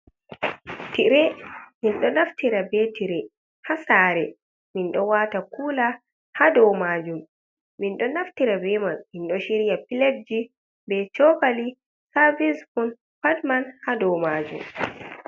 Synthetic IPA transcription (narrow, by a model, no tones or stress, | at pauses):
tiɾɛminɗɔnaftiɾabɛtiɾɛ | hasaːɾɛ | minɗɔwaːtakuːla | hadɔwmaːd͡ʒum | minɗɔnaftiɾabɛmanminɗɔʃiɾijapiled͡ʒi | bɛt͡ʃɔkali | savisfun | padmanhadɔwmad͡ʒṵm